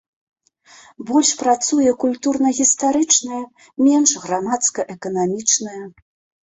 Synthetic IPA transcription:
bɔlʲʂpɾat̪sujɛkulʲt̪urn̪ɐɣʲist̪aɾɨt͡ʂnɐjɐ | mʲɛnʂɣɾamat̪skɐʔɛkɐnamʲit͡ʂnɐjɐ

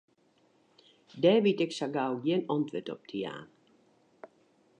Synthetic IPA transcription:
dɛːʋitɛksaɡalˠjiənɔntʋətɔ̰p̚tʰia̰ːn

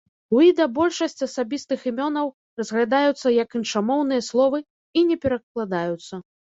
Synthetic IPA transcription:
wʲid̪ɐbɔlʲʂɐsʲt͡sʲɐsabʲist̪ɨximʲɔnɐw | rɐzɣlʲad̪ajut̪sːɐjɐkinʂamɔwnɨjɐslˠɔvɨ | inʲɛpʲɛɾɐklˠad̪ajut̪sːɐ

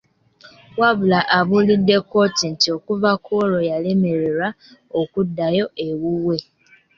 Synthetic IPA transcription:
wabulaʔaβulidekoten̩tiokuvakʰoɾojalemeɾiɾa | okudajoʔewuwe

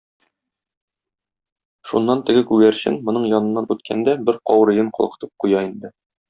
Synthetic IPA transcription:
ʃunːɑnt̪ɘ̆ɡɘkʉɡæɾɕɘ̰nmŏnɤɴjɒnɤ̆nːɑnʉt̪̚kʰæ̰nd̪æbɘɾqɒwɾɤ̆jɤɴqʰɒ̰̆lˠɤ̆qɤ̥̆t̪ɤp̚qujɑind̪ɘ

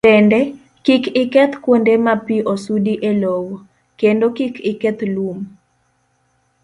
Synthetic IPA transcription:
ɛndɛ | kikɪkɛt̪kwondemapiʔosudiʔelowo | kendokikɪkɛt̪lum

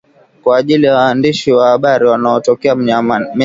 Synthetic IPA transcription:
kwaːʄilijawaːndiʃiwahaɓaɾiwanaɔtɔkɛam

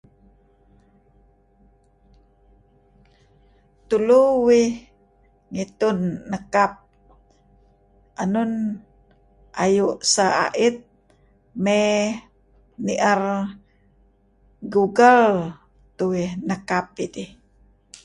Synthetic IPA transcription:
t̪uluwi | ŋit̪unːəkap̚ | ʔanun | ʔajuʔsaa̰ʔit̪̚ | me | niʔar | ɡuɡal | t̪uwinəkap̚id̪i

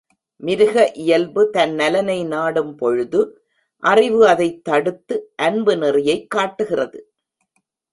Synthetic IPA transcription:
mɪɾɯɣɐʔɪjɐlbɯt̪ɐnːɐlɐnɐɪnaːɽɯmpɔɻɯðɯ | ʔɐrɪʋɯɐðɐɪt̪ːɐɽɯt̪ːɯʔɐnbɯnɛrɪjɐɪkːaːʈːɯɣɪrɐðɯ

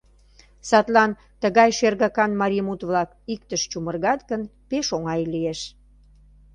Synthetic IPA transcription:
sɑt̪lɑn | t̪əɣɑjʃerɣɑkɑnmɑɾʲimut̪βlɑk | ik̚t̪əʃt͡ɕumərɣɑt̪ɡənpeʃoŋɑjlieʃ

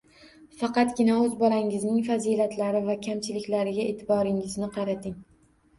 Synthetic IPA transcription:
fɑqɑt̪ɡʲɪnaɵzbɒlaŋɪznɪŋfazilat̪ʰlaɾɪvakʲʰamt͡ʃʰɪlɪkʲlaɾɪɡʲaeːt̪ʰɪbɒɾɪŋɪznɪqʰɑɾat̪ʰɪŋ

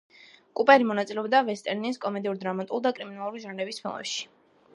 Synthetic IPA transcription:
kʼupʼɛɾimɔnat̪sʼilɛɔbd̪avɛst̪ʼɛɾniskʼɔmɛd̪iuɾd̪ɾamat̪ʼulˠd̪akʼɾiminalˠuɾiʒanlɛbispʰḭlˠɛ̰pʃi̥

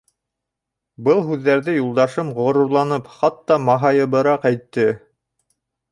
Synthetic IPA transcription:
bɤlˠɦʉðːæɾðɘjulˠd̪ɑʃɤmʁŏɾŭɾlˠɑnɤpχɑt̪ːɑmɑɦɑjɤ̆βɤ̆ɾɑqæjt̪ːɘ

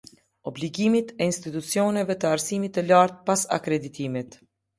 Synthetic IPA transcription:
ɔbliɡimit̪ɛinst̪it̪ut͡siɔnɛvɛt̪əaɾsimit̪ːəlaɾt̪̚pasa̰kɾɛd̪it̪imit̪

